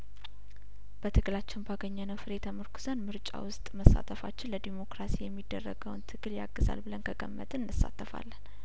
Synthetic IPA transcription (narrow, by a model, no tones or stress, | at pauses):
b̥ət̪ʰɨɡɨlat͡ʃːɪnbaɡəɲːənəfɨɾet̪ʰəmɨɾkʰu̥zənmɨɾt͡ʃʼa̰wʊst̪ʼməsːa̰t̪ʰəfat͡ʃːɪnləd̪emo̞kɾasijɛmːid̪ːərːəɡəwnt̪ʰɨɡɨlja̰ɡːɨza̰lbɨlənkʰəkʼəmːə̰t̪ʼɨnɨnɨsːa̰t̪ʰːəfa̰lːən